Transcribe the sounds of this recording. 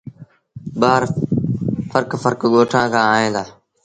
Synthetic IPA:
ɓaːɾ | fəɾkfəɾkɠoːʈʰãːkãːɦẽːd̪aː

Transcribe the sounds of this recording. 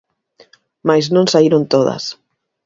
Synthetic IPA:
majznõnsaiɾont̪oð̞a̰s

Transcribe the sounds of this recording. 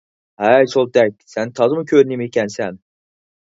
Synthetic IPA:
hæjt͡ʃʰolˠd̪æk̚ʲsænt̪ʰɑzɨmɯkʲʰøɾnimikʲʰænsæn

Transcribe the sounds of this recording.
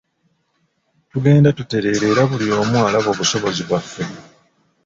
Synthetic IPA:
tuɡe̞ːndatute̞ɾe̞ːɾe̞ːɾaβulio̞ːmwaːlaβo̞ːβuso̞βo̞ziβafːe̞

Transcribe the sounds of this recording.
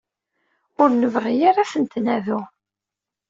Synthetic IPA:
ʊɾnəvʁijaɾasənt̪nævu

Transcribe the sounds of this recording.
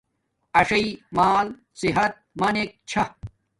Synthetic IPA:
ɐʂɐimaːl | siɦɐt̪̚mɐnek̚t͡ɕʰɐ

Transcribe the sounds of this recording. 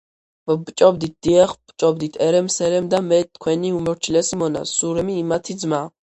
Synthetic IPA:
bbt͡ʃʼɔbd̪it̪̚d̪̥iɛχb̥t͡ʃʼɔb̚d̪it̪ʰɛɾɛmsɛɾɛmd̪amɛt̪ʰkʰwɛniumɔɾt͡ʃʰilɛsimɔna̰suɾɛmiːmat̪ʰid̪zma

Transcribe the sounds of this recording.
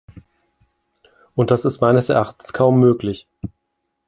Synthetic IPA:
ʔʊnt̚d̥asɪstmaɪnəsɛ̰ɐʔaχtn̩skʰaʊmːøːklɪç

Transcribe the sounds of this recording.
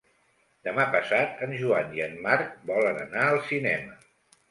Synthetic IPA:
d̪əmapəsat̪ənʒuaniənmaɾk̚bɔlənənaəlˠsinɛmə

